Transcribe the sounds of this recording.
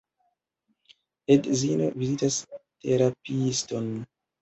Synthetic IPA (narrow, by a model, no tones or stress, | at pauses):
edzino̰vizitaste̞ɾapiston